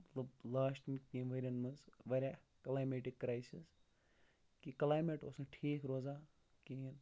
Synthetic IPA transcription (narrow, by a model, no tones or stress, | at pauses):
lblaːsʈmkĩːnʋɐɾʲɐnmɐzʋɐɾʲa | klaːjmeʈikːɾaːjsis | kiklaːjmeʈoːsnɨʈʰiːkɾoːzaː | kiin